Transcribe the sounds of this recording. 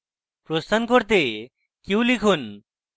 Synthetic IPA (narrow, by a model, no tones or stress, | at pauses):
pɾosənkɔɾt̪e | kiulikʰun